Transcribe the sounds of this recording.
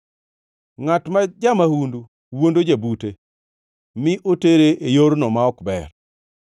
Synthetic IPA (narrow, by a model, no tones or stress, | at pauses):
ŋatmad͡ʒamahundu | wondod͡ʒabute | mɪʔoteɾeʔejoɾnɔmaɔkbɛr